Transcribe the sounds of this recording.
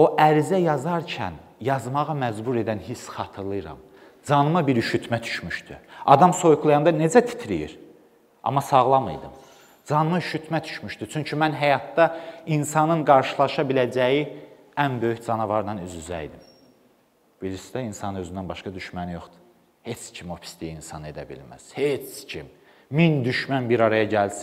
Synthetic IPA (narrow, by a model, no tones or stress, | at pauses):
o̞ʔæɾizæjɑzɑɾcʰæ̰n | jɑzmɑʁɑmæd͡ʒbuɾe̞d̪ænhisχɑt̪ʰɯɾlˠɯɾɑ̰m | d͡ʒɑnɯmɑbiɾyʃyt̪ʰmæt̪ʰy̥ʃmyʃt̪yɑd̪ɑmso̞jkʰulˠɑjɑnd̪ɑne̞d͡ʒæt̪ʰi̥t̪ʰɾḭjḭɾ | ʔɑ̰mːɑsɑɣlˠɑmɯ̰jd̪ɯ̰m | d͡ʒɑnɯmɑyʃyt̪ʰmæd̪ʰy̥ʃmyʃt̪yt͡ʃʰyɲcʰymænɦæjɑt̪ːɑinsɑnɯnɡɑɾʃɯlˠɑʃɑbilæd͡ʒæji | ænbø̞jyçd͡ʒɑnɑvɑɾnɑnyzyzæ̰jd̪im | bilisid̪æinsɑnɯnø̞zynd̪ænbɑʃkɑd̪yʃmænijo̞χd̪̥u̥ | he̞t͡ʃcʰimo̞pʰi̥st̪ʰijiinsɑnɯe̞d̪æ̰bḭlmæ̰z̥het͡scʰim | mind̪yʃmænbiɾɑɾɑjɑɟæls